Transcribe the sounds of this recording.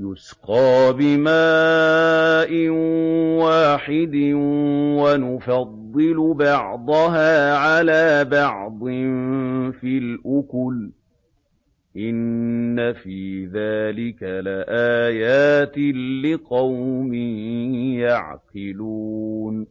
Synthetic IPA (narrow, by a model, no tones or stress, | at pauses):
jʊsqɑːbɪmaː | ʔɪnwaːħɪd̪ɪwanʊfɑd̪ˤːɨlʊbɑʕd̪ˤɑɦaːʕalaːbɑʕd̪ˤɨmfilʔʊkʊl | ʔɪnːafiːðaːlɪkalɪʔaːjaːt̪ɪːɪqɑwmɪhjaʕqɪluːn